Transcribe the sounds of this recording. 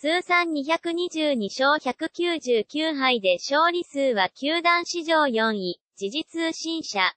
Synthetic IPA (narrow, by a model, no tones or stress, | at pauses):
sɨːsãɲ̟ɲiç̬akɯ̟ɲ̟id͡ʑɨːɲ̟iɕo̞ːçakɯ̟kʲɨːʑɨːkʲɨːɦaid̪e̞ɕo̞ːɾʲisɨːβakʲɨːd̪ãɰ̃ɕiʑo̞ːjõɰ̃i | d͡ʑiʑit͡sɨɕĩɰ̃ɕa